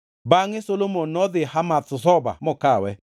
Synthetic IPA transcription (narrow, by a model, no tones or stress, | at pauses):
baŋɪsolomonːɔd̪ɪhamat̪̚sʊsɔba̰mɔkawɛ